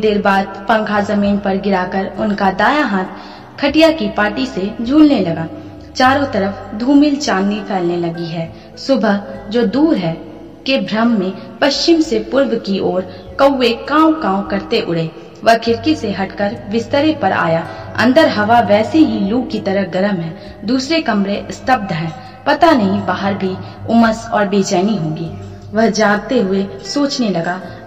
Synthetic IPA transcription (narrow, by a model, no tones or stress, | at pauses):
d̪eːɾbaːd̪̚pɐ̃ŋɡʰazɐmiːnpɐɾɡɪɾaːkəɾʊnkad̪aːjaɦãːt̪ | kʰɐʈijakipaːɾʈised͡ʒʱuːlnelɐɡaː | t͡ʃaːɾõt̪ɐɾəfd̪ʱuːmɪlt͡ʃaːnːipʰɛːlnelɐɡiɦɛː | sʊbʱəɦd͡ʒoːd̪uːɾɦɛː | kebʱɾəmːẽpɐʃt͡ʃɪmsepʊɾwkiʔoːɾ | kəwːekãːw̃kãːʊ̃kɐɾt̪eʔʊɽe | ʋəɦkʰɪɾkeseɦɐʈkəɾʋɪst̪əɾepɐɾʔa̰ːjaːɐ̰̃nd̪əɾɦɐʋaʋɛːseɦiluːɡkit̪ɐɾəɦɡɐɾəmɦɛː | d̪uːsɾekɐmɾeʔst̪ʰəb̚d̪ʱɦɛ̃ː | pɐt̪anɐɦĩbaːɦəɾbʱi | ʊməsɔːɾbeːt͡ʃɛːniɦõːŋɡiː | ʋəɦd͡ʒaːɡ̚t̪eɦʊesoːt͡ʃnelɐɡaː